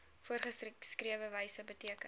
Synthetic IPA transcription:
fuərχəskriəvəvəjsəbətiəkə

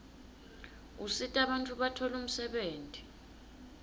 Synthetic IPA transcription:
usitʼaɓantʰʼuɓatʰɔlum̩sɛɓeːntʼi̥

